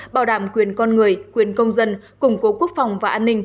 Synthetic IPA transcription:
ɓaː˧˩wɗaː˧˩mkwi˨˩ənkɔ˧nŋɨ˨˩əjkwi˨˩ənkə˧wŋ͡mzə˧n | kʊ˧˩ŋ͡mko˨˦ku˦˥ək̚fa˨˩wŋ͡mvaː˨˩ʔaː˧nːï˧ŋ̟

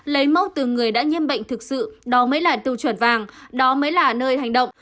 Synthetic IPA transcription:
lə˨˦jma˧wŋ͡mt̪ɨ˨˩ŋɨ˨˩əjɗa̰ː˧˥ɲi˧ənɓə̰˧˨jŋ̟t̪ʰɨ˨˩k̚sɨ̰˧˨ɗɔ˨˦məː˨˦jlaː˨˩t̪ɨ˧˩wt͡ɕwə˧˩nvaː˨˩ŋɗɔ˨˦məː˨˦jlaː˨˩nəː˧jha˨˩jŋ̟ɗə̰˧˨wŋ͡m

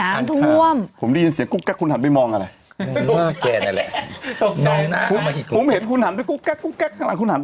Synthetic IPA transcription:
aː˨˦˧mt̪ʰu˧əmpʰo˩˦nda˥˩ji˧nsi˨˩˦əŋku˥˩kːɛ˦˥˩kʰːu˧nha˩˦npa˧jmɔː˧ŋʔa˧ɾa˧j | a˥˩kɛː˧na˧˩lɛ̰˨˩o˧˩mɯ˧naː˥˩pʰo˨˦ma˧˩ki˨˩po˩˦mhe˨˦t̪̚kʰu˧nha˨˩˦npe˧nkuː˦˥˩kkɛ˦˥˩kːuː˥˩kkɛː˦˥˩k̪̚ːʰa˧ŋla˨˦ŋkʰu˧nha˨˦n

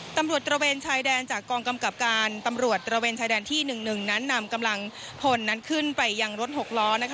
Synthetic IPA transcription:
t̪a˧mɾu˨˩ət̪̚ːɾa˧weː˧nt͡ɕʰaː˧jdɛː˧nt͡ɕaː˨˩kːɔː˧ŋka˧mka˨˩p̚kaː˧nt̪a˧mɾu˨˩ət̪̚ːɾa˧weː˧nt͡ɕʰaː˧dɛː˧nt̪ʰiː˥˩nɯ˨˩ŋnɯ˨˩ŋna˦˥nːa˧mka˧mla˧ŋ | pʰo˧nːa˦˥nkʰɯ˥˩npa˧jːa˧ŋɾo˦˥t̪̚ho˨˩k̚lɔː˦˥na˥kʰ

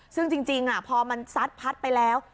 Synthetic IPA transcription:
sɯ˥˩ŋt͡ɕi˧ŋt͡ɕi˧ŋʔa˧˩pʰɔː˧ma˧nsa˦˥t̪̚pʰa˦˥t̪̚pa˧jlɛː˦˥w

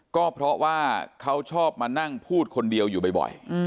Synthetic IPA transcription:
kɔː˥˩pʰɾɔ˦˥waː˥˩kʰa˦˥wt͡ɕʰɔː˥˩p̚maː˧na˥˩ŋpʰuː˥˩t̪̚kʰo˧ndi˧əwjuː˨˩ba˧jbɔ̰˨˩j

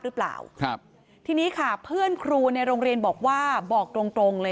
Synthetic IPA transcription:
ɾɯ˦˥pla̰ː˨˩w | t̪ʰiː˧niː˦˥kʰa˥˩pʰɯ˥˩ənkʰɾuː˧na˧jɾoː˧ŋɾi˧ənbɔː˨˩k̚waː˥˩bɔː˨˩k̚t̪ɾo˧ŋt̪ɾo˧ŋlɤː˧

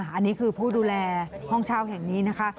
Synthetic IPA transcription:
aː˦a˧nːiː˦˥kʰɯː˧pʰuː˥˩duː˧lɛː˧hɔ˥˩ŋt͡ɕʰaː˥˩whɛ˨˩ŋniː˦˥na˦˥kʰa˦˥ʔ

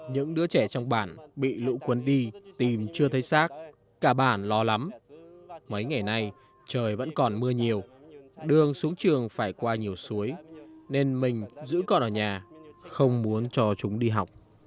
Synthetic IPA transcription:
ɲɨ̰˧˥ŋɗɨ˨˦ət͡ɕɛ˧˩t͡ɕɔ˧wŋ͡mɓaː˧˩nɓḭ˧˨lṵ˧˥kwə˨˦nɗi˧t̪i˨˩mt͡ɕɨ˧ət̪ʰə˨˦jsaː˦˥k̚ | kaː˧˩ɓaː˧˩nlɔ˧la˨˦m | mə˨˦jŋa˨˩jna˧j | t͡ɕəː˨˩jvə̰˧˥nkɔ˨˩nmɨ˧əɲi˨˩əwɗɨ˧˩əŋsu˨˦əŋt͡ɕɨ˨˩əŋfaː˧˩jkwaː˧ɲi˨˩əwsu˨˦əjne˧nmï˨˩ŋ̟zɨ̰˧˥kɔ˧nʔəː˧˩ɲaː˨˩xə˧wŋ͡mmu˨˦ənt͡ɕɔ˧t͡ɕʊ˨˦ŋ͡mɗi˧ɦa˨˩wk͡p̚

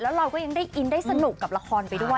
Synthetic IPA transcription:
lɛː˦˥wɾa˧wkɔː˥˩ja˧ŋdaː˥˩ʔi˧ndaː˥˩jsa˧nu˨˩kːa˨˩p̚la˧kʰɔː˧npa˧jdu˥˩ə

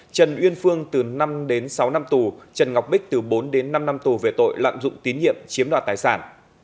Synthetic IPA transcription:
t͡ɕə˨˩nʔwi˧ənfɨ˧əŋt̪ɨ˨˩na˧mɗe˨˦nsa˨˦wna˧mt̪u˨˩t͡ɕə˨˩nŋa˨˩wk͡p̚ɓï˦˥k̚t̪ɨ˨˩ɓo˨˦nɗe˨˦nːa˧mna˧mt̪u˨˩ve˨˩t̪o̰˧˨jla̰ː˧˨mzʊ̰˧˨ŋ͡mt̪i˨˦nɲḭ˧˨əmt͡ɕi˨˦əmɗaː˨˩t̪aː˨˩jsaː˧˩n

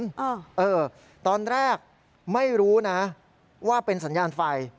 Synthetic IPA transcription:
nʔʔɤː˧ | t̪ɔː˧nɾɛː˥˩k̚ | ma˥˩jɾuː˦˥na˦˥ | waː˥˩pe˧nsa˩˦njaː˧nfa˧j

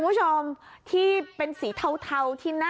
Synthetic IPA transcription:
mpʰt͡ɕʰo˧mt̪ʰiː˥˩pe˧nsiː˩˦t̪ʰa˥˧wt̪ʰa˧wt̪ʰiː˥˩naː˥˩

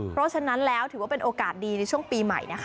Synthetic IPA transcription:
pʰɾɔ˦˥t͡ɕʰa˧na˦˥nlɛː˦˥wt̪ʰɯː˨˩˦wa˥˩pe˧nʔoː˧kaː˨˩t̪̚diː˧na˧jt͡ɕʰu˥˩əŋŋpiː˧ma̰˨˩jna˦˥kʰ

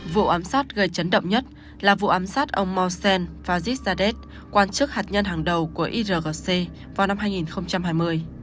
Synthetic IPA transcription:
vṵ˧˨ʔaː˨˦msaː˦˥t̚ɣə˨˩jt͡ɕə˨˦nɗə̰˧˨wŋ͡mɲə˦˥t̚ | laː˨˩vṵ˧˨ʔaː˨˦msaː˦˥t̚ʔə˧wŋ͡mmɔ˧sɛ˧nfaː˧zi˦˥t̚zaː˧ɗe˦˥t̚ | kwaː˧nt͡ɕɨ˦˥k̚haː˨˩t̚ɲə˧nɦaː˨˩ŋɗə˨˩wku˧˩əʔi˧zəː˨˩ɣə˨˩se˧ | vaː˨˩wna˧mɦaː˧jŋi˨˩nxə˧wŋ͡mt͡ɕa˧mɦaː˧jmɨ˧əj

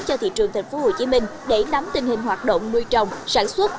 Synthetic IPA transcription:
t͡ɕɔ˧t̪ḭ˧˨t͡ɕɨ˨˩əŋt̪ʰŋ̟fo˨˦ho˧˩t͡ɕi˨˦mï˧ŋ̟ɗe˧˩na˨˦mt̪ï˨˩ŋ̟hï˨˩ŋ̟hwaː˨˩t̚ɗo̰˧˨wŋ͡mmɨ˧əjt͡ɕə˨˩wŋ͡msaː˧˩nswə˦˥t̚

